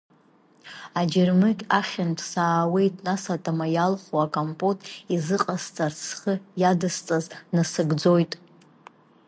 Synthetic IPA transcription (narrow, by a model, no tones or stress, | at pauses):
ad͡ʒɪrmɨkʲʼaχʲɪnpʼʰsaːwe̞jtʼnasatʼamajalχuakʼampʼotʼizɨqʼast͡sʼart͡sʰχəjadɨst͡sʼaznasɨɡd͡zo̞jtʼ